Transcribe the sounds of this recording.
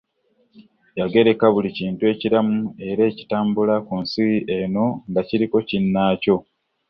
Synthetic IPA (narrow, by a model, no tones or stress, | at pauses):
jaɡe̞ɾe̞kaβuliciːntue̞ːciɾamue̞ɾe̞ːci̥taːmbulakunsiiʔeno̞ŋɡaciɾiko̞cinːaːco̞